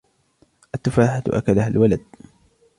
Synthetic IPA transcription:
ʔat̪ːafaːħat̪ʔa̰kalaɦalwalad̪̚

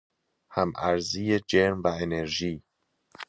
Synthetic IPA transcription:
hæmæɾzijed͡ʒeɾmvæeneɾʒiː

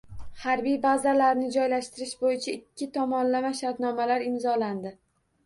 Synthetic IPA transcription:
haɾbijbazalaɾnɪd͡ʒɒjlaʃt̪ɪɾɪʃbojɪt͡ʃʰaɪkʲʰːɪt̪ʰɒmɒnlamaʃaɾt̪nɒmalaɾɪmzɒland̪ɪ

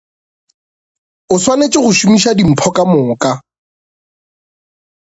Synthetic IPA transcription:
ʊswanet͡ʃʼɪχʊʃumiʃadim̩pʰɔkʼamʊːkʼa

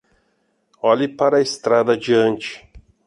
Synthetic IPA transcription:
ɔlipaɾɐest̪ɾad̪ɐd͡ʒiɐ̃nt͡ʃɪ̥

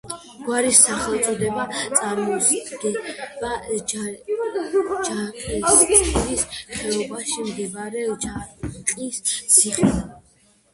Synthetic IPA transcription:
ɡ̥waɾisːaχɛlˠt̪sʼɔd̪ɛbat̪ʼamɔɡɛba | d͡ʒaqʼiɾist̪χʰɛɔbaʃimɡ̪ɛbaɾɛd͡ʒaqʼissʰiχ

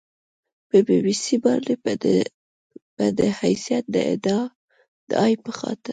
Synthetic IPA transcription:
pəbewisibɑɾle | əd̪əhajsijat̪̚d̪əɪ̰d̪ɑ | d̪̥əɑjpəxɑ̰t̪ɪɾ

